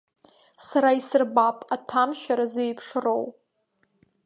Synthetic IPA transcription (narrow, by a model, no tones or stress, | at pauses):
saɾaisɨrbapʼatʰamʃaɾazejpʰʂro̞w